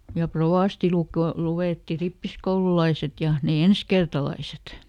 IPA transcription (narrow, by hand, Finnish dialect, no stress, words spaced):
jɑ proʋɑˑsti luk luweˑtːi ripːiskoululɑiset jɑ ne enskertɑlɑiset